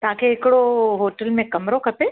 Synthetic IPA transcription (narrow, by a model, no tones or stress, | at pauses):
t̪ɐɦãkʰeɦɪkɪɽoɦoːʈəlmẽkɐmɾokʰɐpe